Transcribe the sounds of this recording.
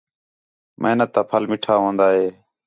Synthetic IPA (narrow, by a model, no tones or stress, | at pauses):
mʔə̰ɦnət̪ːaːpʰəlmɪʈʰaːɦõːnd̪aːɦeː